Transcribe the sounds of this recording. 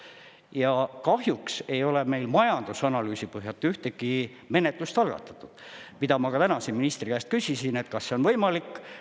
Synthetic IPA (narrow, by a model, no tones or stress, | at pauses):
jɑkɑhjukse̞jo̞le̞me̞jlmɑjɑnd̪̥usɑnɑlyːsipɤɦjɑt̪ːˑeyht̪eɡ̥i | me̞ne̞t̪ˑlust̪ɑlɡ̥ɑ̰t̪ːˑɑ̥t̪ˑːud̪̥mid̪ɑmɑkɑt̪ænɑseminist̪rikæst̪̚kysʲisine̞t̪kɑsːeo̞nvɤjmɑlikːˑ